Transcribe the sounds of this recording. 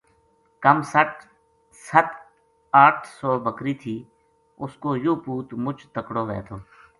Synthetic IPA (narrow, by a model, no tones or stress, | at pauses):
kəmsəʈ | sət̪ | aːʈʰsɔːbəkɾiːt̪ʰiː | ʊskoːjoːpuːt̪mʊt͡ʃt̪əkɽoːʋɛ̰ːt̪ʰoː